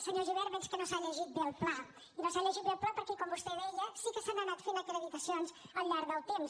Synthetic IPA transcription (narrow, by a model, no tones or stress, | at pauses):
səɲoʒuβɛɾβɛnskənosaʎəʒit̪̚belˠpla | inosaʎəʒit̪̚belˠplapəɾkɛkombust̪ɛβɛʎəsikəsanənat̪fenəkeɾəβit̪əsionz | əlˠʎaɾðəlˠt̪ems